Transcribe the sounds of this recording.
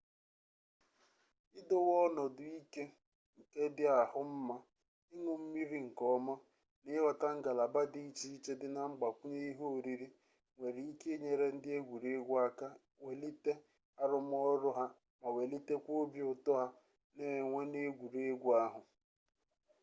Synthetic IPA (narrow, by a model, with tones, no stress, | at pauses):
ɪ˦dʊ˦wɔ˦nɔ˨dʊ˨i˦ke˦ | ŋ̩˨ke˦dɪ˦a˨hʊ˦m̩˦ma˦ | ɪ˦ŋʊ˨m̩˦mi˦ɾi˦ŋ̩˨kɔ˦mɔ˦ | nɪ˦wa˨ta˦ŋ̩˦ɡa˨la˨ba˦di˦i˦t͡ʃi˦i˦t͡ʃe˦dɪ˦na˦˨ŋ͡m̩˦ɡ͡ba˨kʷu˦ɲe˦i˦ɦo˦o˨ɾi˦ɾi˦ | ŋʷe˨ɾi˨i˦ke˦ɲe˨ɾe˦n̩˦dɪ˦e˦ɡʷu˨ɾe˦ɡʷa˦ka˦ | we˨li˦te˦ | a˦ɾʊ˦m˦ɔ˦ɾʊ˦ɦa˦ | ma˨we˨li˦te˦kʷo˦bi˦ʊ˨tʊ˦ɦa˦ | ne˦˨ŋʷe˦ne˦ɡʷu˨ɾe˦ɡʷa˦ɦʊ˨